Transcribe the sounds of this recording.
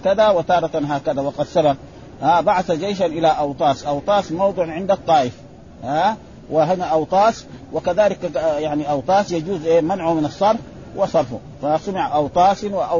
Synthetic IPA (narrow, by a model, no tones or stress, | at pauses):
kad̪awɪt̪ɑːɾˤɑt̪aɦaːkad̪awɑqɑd̪sala | haːbaʕaθad͡ʒeːʃ̬anʔilaʔɑwt̪ˤɑːsʔɑwt̪ˤɑːsmɑwd̪ˤɨʕʕɪnd̪ɑt̪ˤːɑːʔɪf | ha | waɦinaʔɑwt̪ˤɑːswɪkaðaːlikjaʕniʔɑwt̪ˤɑːsjad͡ʒuːzʔeːmanʕumɪnɑsˤːɑɾˤf | wɪsˤɑɾˤfu | fasamɪʕaʔɑwt̪ˤɑːsnwaʔ